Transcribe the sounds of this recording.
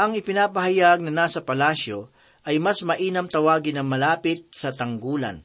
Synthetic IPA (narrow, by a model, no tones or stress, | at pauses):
ʔɐŋɪpɪnaːpɐɦɐjaɡ̚nɐnaːsɐpɐlaːʃo̞ | ʔɐjmasmɐʔiːnɐmt̪ɐwaːɡɪnɐŋmɐlaːpɪt̪̚sɐt̪ɐŋɡuːlɐ̰n